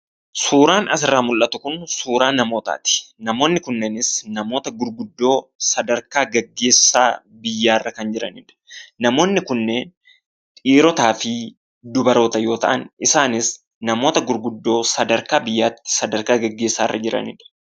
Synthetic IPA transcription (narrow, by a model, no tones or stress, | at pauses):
suːɾaːnɐs̬ɪrːaːmʊlʔɐt̪ʊkʊnsuːɾaːnːɐmo̞ːt̪a̰ːt̪ɪ̥nɐmo̞ːnːɪkʊnːeːnɪsnɐmo̞ːt̪ɐɡʊɾɡʊd̪ːo̞ːsɐd̪ɐɾkaːɡɐɡːe̞ːsaː | bɪjːaːɪrːɐkɐnd͡ʒɪɾɐ̰nɪᶑɐ̥nɐmo̞ːnːɪkʊnːe̞ːn | ᶑʼiːɾɔt̪aːfɪ | d̪ʊbɐɾo̞ːt̪ɐjo̞ːt̪ɐ̰ʔɐnʔɪsaːnɪs | nɐmo̞ːt̪ɐɡʊɾɡʊd̪ːo̞ːsɐd̪ɐɾkaːbɪjːaːt̪ːɪ̥sɐd̪ɐɾkaːɡɐɡːe̞ːsːaːɪrːɐd͡ʒɪɾɐ̰nɪ̰ᶑɐ̥